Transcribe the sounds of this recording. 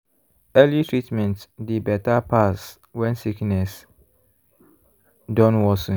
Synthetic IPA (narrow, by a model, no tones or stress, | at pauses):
ɛlitʰɹitmɛ̃ntdibɛtapʰas | wɛ̃nsiknɛs | dɔ̃nwɔsũ